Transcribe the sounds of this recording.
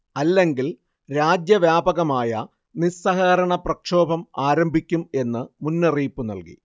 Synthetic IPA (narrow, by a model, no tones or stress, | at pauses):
ɐlːe̞ŋɡil | ɾaːd͡ʑjɐʋjaːbɐɣɐmaːjɐ | nisɐɦɐɣɐɾɐɳɐprɐkʂo̞ːbʱɐmaːɾɐmbʱikʲːume̞nːɨmunːɐriːpːɨnɐ̰lkḭ